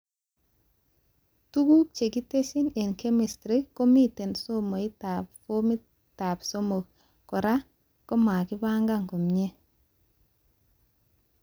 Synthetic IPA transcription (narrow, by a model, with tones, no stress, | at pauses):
tu˦ɡu˦k̚t͡ʃe˨ki˦te˦si˦ne˨nke˦mi˨stɾi˦kːo˦mi˦te˨nso˦mo˨i˦ta˨pfo˦mi˦ | ta˨pso˦mo˨k | kɔ˨ɾa˦ | ko˦ma˨ki˦ba˦ŋɡa˦˨ŋko˨mɲe˦